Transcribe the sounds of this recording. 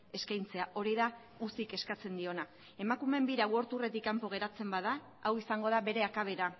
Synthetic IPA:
e̞skajnt͡se̞aʔo̞ɾiða | usike̞skat͡se̞nd̪io̞na | e̞makume̞mbiɾawo̞ɾt̪ure̞t̪ikampo̞ɣ̞e̞ɾat͡se̞mbaða | awisaŋɡo̞ð̞aβe̞ɾe̞akaβ̞e̞ɾa

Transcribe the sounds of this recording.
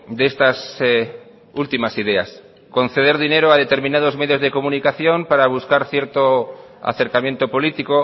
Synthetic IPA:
d̪est̪as | ult̪imasiðea̰s | kõ̞n̟θeð̞eɾðineɾoaðe̞t̪e̞ɾmĩnað̞ozmeðjozð̞ekomũnikaθjo̞mpaɾaβ̞uskaɾθjeɾt̪oa̰θe̞ɾkamje̞nt̪opo̞lit̪iko

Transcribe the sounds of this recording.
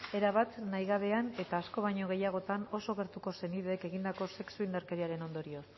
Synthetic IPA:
e̞ɾaβat̪najɣaβe̞ane̞t̪aːsko̞β̞aɲo̞ɣ̞e̞jaɣ̞o̞t̪ano̞so̞ɣe̞ɾt̪uko̞se̞niðeːke̞ɣind̪ako̞se̞ksuind̪eɾkeɾiaɾe̞no̞nd̪o̞ɾio̞s

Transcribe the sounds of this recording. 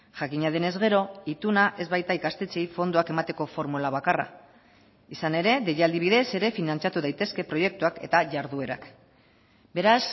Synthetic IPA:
ʝakiɲað̞e̞ne̞zɣe̞ɾo̞it̪unaʔe̞zβajt̪aikast̪e̞t͡sejfo̞nd̪ouake̞mat̪e̞ko̞fo̞ɾmulaβ̞akara̰ | isane̞ɾe̞ðe̞jald̪iβ̞iðe̞se̞ɾe̞finant͡sat̪uðajt̪e̞ske̞pɾo̞je̞k̚t̪uake̞̰t̪aʝaɾðue̞ɾa̰k | be̞ɾas

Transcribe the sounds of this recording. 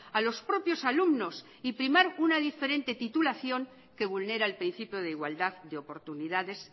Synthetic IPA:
alo̞spɾo̞pjo̞salumno̞s | ipɾimaɾunað̞ife̞ɾẽ̞nt̪e̞t̪it̪ulaθjo̞ŋ | ke̞β̞ulne̞ɾaelpɾin̟θipjoð̞eiɣwald̪aðd̪eo̞po̞ɾt̪uniðaðe̞s

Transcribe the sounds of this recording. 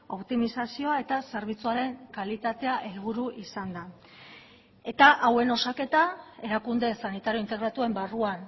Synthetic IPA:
o̞pt̪imisasio̞ae̞t̪aseɾβ̞it͡suaɾe̞ŋkalit̪at̪e̞aʔelɣuɾuʔisand̪a | e̞t̪aʔawe̞no̞sake̞t̪ae̞ɾakund̪e̞sanit̪aɾjoint̪e̞ɣɾat̪ue̞mbaruan

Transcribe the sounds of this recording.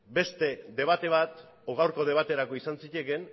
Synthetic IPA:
be̞st̪e̞d̪e̞β̞at̪e̞β̞at̪ | oɣawɾko̞ð̞e̞β̞at̪e̞ɾako̞isansice̞ke̞n

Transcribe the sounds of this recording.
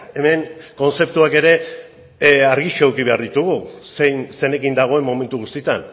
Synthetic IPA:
e̞me̞ŋko̞nse̞p̚t̪uake̞ɾe̞ | aɾɣiʃoewkiβe̞aɾðit̪uɣ̞usejnsene̞kind̪aɣ̞o̞e̞mːo̞me̞nt̪uɣ̞ust̪it̪an

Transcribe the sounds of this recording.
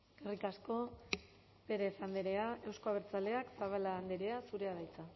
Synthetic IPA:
ɡ̥erikasko̞ | pe̞ɾe̞sand̪eɾe̞aewsko̞aβ̞eɾt͡sale̞aksaβ̞aland̪eɾe̞asuɾe̞aðajt͡sa

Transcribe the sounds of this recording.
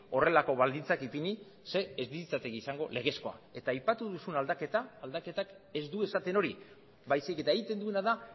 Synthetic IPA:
o̞re̞lako̞βald̪int͡sakipini | se̞ːzd̪iit͡sat̪eɣisaŋɡo̞le̞ɣ̞e̞sko̞a̰e̞t̪aːjpat̪uðusunald̪ake̞t̪aːld̪ake̞t̪ak | e̞zd̪ue̞sat̪e̞no̞ɾi | βajsike̞t̪aeɣit̪e̞nd̪ue̞naða

